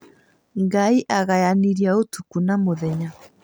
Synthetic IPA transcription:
ŋɡaiʔaɣajaniɾiaotukunamoðɛɲa

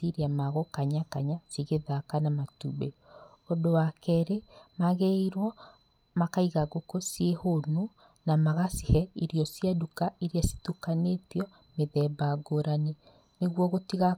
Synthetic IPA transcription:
iɾeamaɣokaɲakaɲasiɣeðakanamatubḛ | odowakɛɾemaɣeiɾwɔ | makaiɣaɣokosiehono | namaɣasihɛiɾjɔsiadukaiɾiasi̥tukanetiɔ | meðɛbaɡoɾane | neɣwɔɣotiɣa

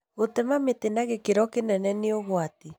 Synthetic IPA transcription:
ɣot̪ɛmamet̪enaɣekeɾɔkenɛnɛneoɣwat̪i

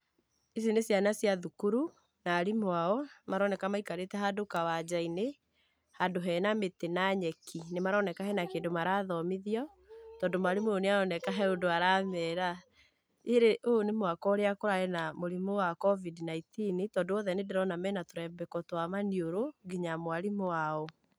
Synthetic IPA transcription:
is̬inesjanasjaðukuɾu | naːɾimwaɔmaɾɔnɛkamaikaɾetɛɦadokawad͡ʑaine | hadoɦɛnametenaɲɛkʰinemaɾɔnɛkahɛnakeːndomaɾaðɔmeðiɔ | tɔːndomaɾemooneaɔnɛkaɦɛodoaɾaːmɛːɾa | eɾeʔonemwakɔɾeakoɾaɛnamoɾimowakɔvidnaitinitɔːndoɔðɛnedeɾɔnamɛnatoɾɛmbɛkɔtwamanioɾoɡiɲamwaɾimoaɔ

